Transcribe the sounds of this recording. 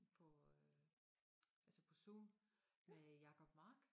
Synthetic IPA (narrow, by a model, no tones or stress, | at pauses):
pʰɒ̽ | ælsəpʰɒ̽suːnmejɑ̈kʰɒ̽b̥mɑ̈ːɡ̥